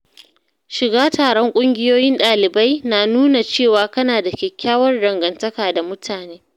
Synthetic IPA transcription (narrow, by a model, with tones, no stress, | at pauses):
ʃɪ˨ɡaː˦taː˨ɽɔ˦ŋkʷʼʊ˦ŋɡʲɪ˦joː˦jɪ˦nɗaː˨lɪ˨ba˦jnaː˨nuː˦na˨t͡ʃeː˦˨waː˨kɐ˦naː˨da˨kʲɛ˨kʲːaː˦wɐ˦rɽɐ˨ŋɡɐ˨ntɐ˦kaː˨da˨mʊ˦tʰaː˨neː˦